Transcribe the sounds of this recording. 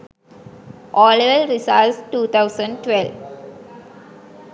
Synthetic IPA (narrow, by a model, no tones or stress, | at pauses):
ʔɔːleʋəlɾisalsʈuːt̪ʰaʊsə̃ɳɖ̚ʈʋɛlʋ